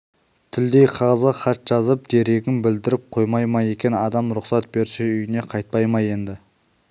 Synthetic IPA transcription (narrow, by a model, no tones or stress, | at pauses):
t̪ʰɪld̪e̞jqʰɑʁzəχɑt̪ʒ̥ɑzəp̚d̪̥e̞ɾe̞ɡʲɪnbɪld̪ɪɾɪp̚qʰojmɑjmɑje̞kʲe̞nɑd̪ɑmɾʊqsɑt̪̚be̞ɾʃɪʏjɪne̞qʰɑjt̪̚pɑjmɑje̞nd̪ɪ